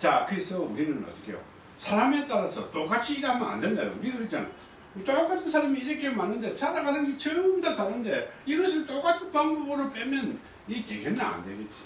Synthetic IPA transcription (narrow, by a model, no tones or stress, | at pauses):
t͡ɕakɯɾesʰʌuɾinɯnʌ̰t͈ɯkʰḛjo̰ | sʰaɾame̞t͈aɾasʰʌt͈ok͈at͡ɕʰiːɾamʌna̰nde̞ndajo̰uɾiɡɯɾɯt͡ɕan | ot͡ɕ͈ok͈atʰɯnsʰaɾamiːɾʌkʰemanɯnde̞sʰaɾaɡanɯnɡet͡ɕʌɾɯmdatanɯnde̞iɡʌs̬ʰɯt͈ʼok͈atʰɯnpaŋbʌbɯɾop͈emjʌn | it͡ɕeɡenːaa̰ndeɡet̚t͡ɕ͈i